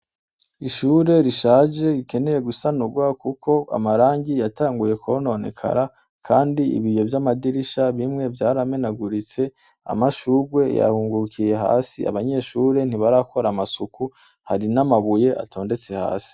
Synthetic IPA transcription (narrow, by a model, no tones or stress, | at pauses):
iʃuːɾe̞ɾiʃaːd͡ʒe̞ɾike̞ne̞je̞ɡusanuɡwakukʰo̞a̰maɾaːɲɟijataːŋɡuje̞kʰono̞nḛkʰa̰ɾa | kʰaːndiḭβijo̞vjamadiɾiʃaβimŋe̞vjaːɾame̞naɡuɾit͡se̞ | a̰maʃuːɾɡwe̞ja̰huːŋɡukije̞ɦa̰ːsia̰βaɲe̞ːʃuːɾe̞n̥iβaɾakʰo̞ɾamasuku | haɾinamaβuje̞ʔa̰tʰo̞ːnde̞t͡se̞ha̰ːsi̥